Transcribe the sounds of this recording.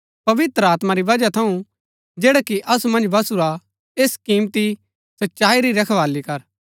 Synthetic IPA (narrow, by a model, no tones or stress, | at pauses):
pɐʋɪt̪ɾəaːt̪maɾiʋɐd͡ʒat̪ʰɐũ | d͡ʒeːɽakiʔɐsumɐ̃nd͡ʒbɐsuɾa | eːskiːmt̪i | sɐtːʃaːiɾiɾɐkʰʋaːlikɐɾ